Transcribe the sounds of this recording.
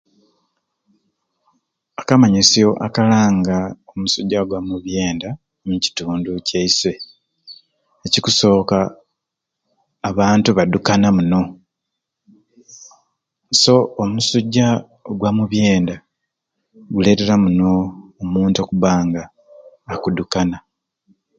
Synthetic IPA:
akamaɲisijo̞ʔakalaːŋɡaomusuɟːaɡwamuβje̞ːnda | muci̥tuːnduceiswe̞ | ecikuso̞ːka | βaːntuβadukanamuno̞ | so̞omusuɟːa | oɡwamuβje̞ːnda | ɡule̞ːte̞ɾamuno̞ːmuːntokuβaːŋɡaː | kudukana

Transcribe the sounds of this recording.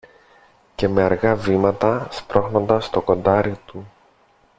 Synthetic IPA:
ce̞me̞ɐɾɣɐvimɐt̪ɐspɾo̞xno̞nd̪ɐst̪o̞ko̞nd̪ɐɾit̪u

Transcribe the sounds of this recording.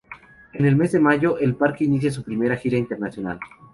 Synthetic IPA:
e̞ne̞lme̞zðe̞maʝo̞ʔelpaɾkeinis̬jas̬upɾime̞ɾaxiɾaint̪e̞ɾnasjo̞na̰l

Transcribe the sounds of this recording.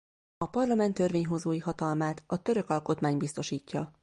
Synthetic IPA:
ɒpɒrlɒmɛnt̪ːørʋeːɲɦo̞zoːjiɦɒt̪ɒlmaːt̪ɒt̪ø̞ɾø̞kɒlko̞t̪maːɲbist̪o̞ʃiːcːɒ

